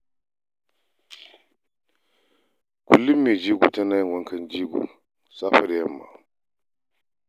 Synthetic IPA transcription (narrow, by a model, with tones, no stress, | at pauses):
ku˨lːi˦mːi˨d͡ʒi˦ɡṵ˨tɛ˦na˦jwɔ˦ŋkʰa˦nd͡ʒi˦ɡṵ˨ | sa˦fa˨ɾɛ˨ja˨mːa̰˨